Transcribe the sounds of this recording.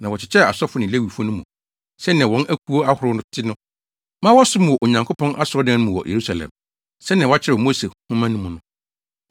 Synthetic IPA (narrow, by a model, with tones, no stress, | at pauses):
nã˨wɔ˨t͡ɕʰɪ˨t͡ɕʰɛ˦˨a˨sɔ˦fʊ˨nɪ̃˨le˦wi˨fɔ˦nʊ̃˦mṵ̃˨ | sɛ˦ñ˨ã˨wɔ̃˦nʔæ˦kʰu˦o˦a˦hʊ˨ɾʊ˦nʊ̃˦tʰɪ˦nʊ̃˦ | mã˦wɔ˦sʊ˦m̃˨wɔ˨ʔo˨ɲã˨ŋkʰo˦pʰɔ̃˦nʔa˦sʊ˨ɾɔ˦dã˦nʊ̃˦mʊ̃˨wɔ̰˨jʔḛ˨ɾu˦sa˨lɛ̰˨m | sɛ˦ñ˨ã˨wɔ˦a˦t͡ɕʰɪ˦ɾɛ˨ɔ˨mo˦se˨hʊ̃˦mã˦nʊ̃˦mʊ̃˨nʊ̃˦